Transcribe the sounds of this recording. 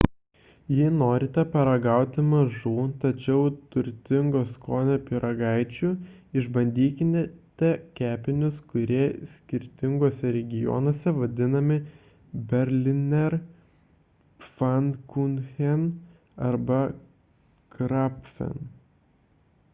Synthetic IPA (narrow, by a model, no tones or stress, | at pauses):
jinoːɾʲɪt̪ʲɛpɐɾɐɡɑˑʊt̪ʲɪmɐʒuːt̪ɐt͡ʃʲɛʊt̪ʊɾʲt̪ʲɪŋɡoːskoːnʲopʲɪɾʔɐɡɐɪt͡ʃʲuɪʒbɐnʲd̪ʲiːkʲɪnʲɛt̪ʲɛkʲæːpʲɪnʲʊskʊɾʲiɛsʲkʲɪɾʲt̪ʲɪŋɡoːsʲɛɾʲɛɡʲɪjɔ̰ːnoːsʲɛʋɐd̪ʲɪnɐmʲɪ | bʲɛɾʲlʲɪnʲɛɾ | fɐnkunxʲɛn | ɐɾbɐ | kɾɑpʲfʲɛ̰n